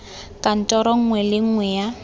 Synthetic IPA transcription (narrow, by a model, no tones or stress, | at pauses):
kʼan̩tʼɔɾɔŋ̩ŋwɛlɪŋ̩ŋwɛja